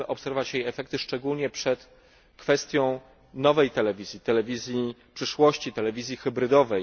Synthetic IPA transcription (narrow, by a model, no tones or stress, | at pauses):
ɘʔɔpsɛɾvɔvat͡ɕjejɛfɛk̚t̪ɘʂt͡ʂɛɡulɲɛpʂɛt̪ | kfɛst̪ʲjɔ̃w̃ | nɔvɛjt̪ɛlɛvʲizʲjit̪ɛlɛvʲizʲjipʂɘʂwɔɕt͡ɕit̪ɛlɛvʲizʲjixɘbɾɘd̪ɔvɛj